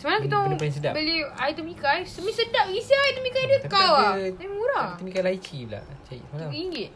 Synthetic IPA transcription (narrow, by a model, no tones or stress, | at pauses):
səmalaŋkit̪apasəda̰bəliajt̪əmikajsəmisədap̚isiajt̪əmikajdtkawdamuɾaumikajlait͡ʃibla̰t͡ʃaḭsəmanakiŋɡɪt̚